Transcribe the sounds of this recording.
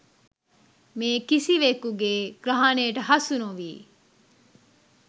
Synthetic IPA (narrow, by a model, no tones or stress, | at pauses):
meːkisiʋekuɡeːɡ̥ɾɐɦaːneːʈɐɦɐsunuʋiː